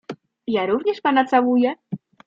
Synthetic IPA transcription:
jaɾuvɲɛʂpanat̪sawujɛ

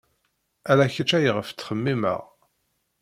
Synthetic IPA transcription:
ælæçət͡ʃːæjəʁəft͡sːχəmːimə̰ʁ

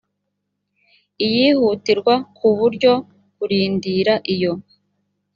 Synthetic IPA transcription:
ijihutiɾɡwakuβuɾɟo̞ | kuɾiːndiɾaʔijo̞

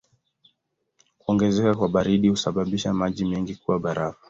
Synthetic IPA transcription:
kuɔŋɡɛzɛkakwaɓaɾiɗihusaɓaɓiʃamaʄimɛŋɡikuwaɓaɾavḁ

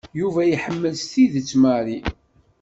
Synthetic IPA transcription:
juvæjiħəmːəlst̪iðət͡sːmæɾi

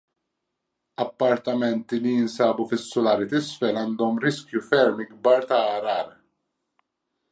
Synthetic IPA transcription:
ɐpːɐɾt̪ɐmɛnt̪ilijɪnsɐːbufɪsːʊlɐːɾit̪ɪsfɛlɐːnd̪ɔmɾɪskjufɛɾmiɡbɐːɾt̪ɐːɾɐːɾ

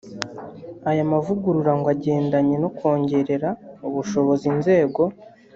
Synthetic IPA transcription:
ajamavuɡuɾuɾaŋɡwaɟe̞ːndaɲe̞no̞kwo̞ːɲɟe̞ɾe̞ɾauβuʃo̞βo̞zinze̞ːɡo̞

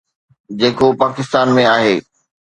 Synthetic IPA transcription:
d͡ʑeːkopaːkɪst̪aːnmẽaːɦeː

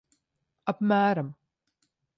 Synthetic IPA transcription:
ɐpmaːɾɐm

